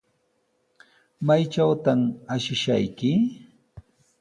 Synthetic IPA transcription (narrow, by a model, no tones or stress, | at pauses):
majt͡ʃawt̪amaʃɪʃajkɪ